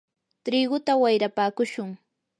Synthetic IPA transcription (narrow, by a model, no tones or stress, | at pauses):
t̪ɾiːɢʊt̪awajɾapaːkʊʃʊŋ